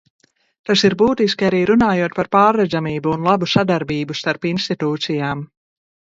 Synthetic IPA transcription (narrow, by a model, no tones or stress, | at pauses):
t̪asiɾbuːt̪iskiaɾiːɾunaːjuɔt̪̚paɾpaːɾːɛd̪zamiːbuːnlˠabusad̪aɾbiːbust̪aɾpinst̪it̪uːt̪sijaːm